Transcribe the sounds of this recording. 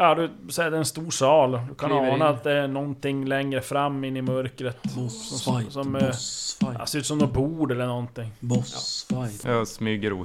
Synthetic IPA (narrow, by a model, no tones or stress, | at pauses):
d̪ʉsɛd̪ɛɛnst̪uːʂɑːld̪kʰanɑːnaːt̪̚d̪ɛːɳɔnt̪ʰɪŋːlɛŋɾəfɾamːɪnːɪmœɾkɾət̪ssɔmæ | a̰sɛɾʉːt̪sɔmd̪ɔːbuːɖɛlːəɳɔnt̪ɪŋː | jɑsmyːɡəɾu